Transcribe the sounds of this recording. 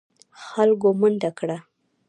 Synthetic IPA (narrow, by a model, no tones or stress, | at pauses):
xalɡomund̪akɽa